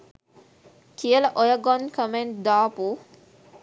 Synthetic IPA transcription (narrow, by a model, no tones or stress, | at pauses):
kʰiəlɐʔojɐɡɔnkəmeɳʈd̪aːpu